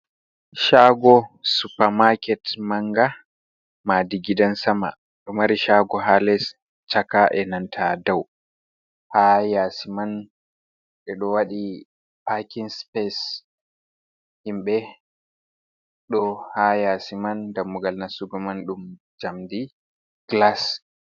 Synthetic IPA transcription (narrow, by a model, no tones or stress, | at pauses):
ʃaɡɔsupamakɛtmaŋɡa | madiɡidansama̰ | ɗɔmaɾiʃaɡɔɦalɛs | t͡ʃakaʔɛnantʰadaw | hajasiman | ɛɗɔwaɗi | pakinspɛs | himɓɛ | ɗɔhajasimandamːuɡalnasuɡɔmanɗum | d͡ʒamdi | ɡ̥las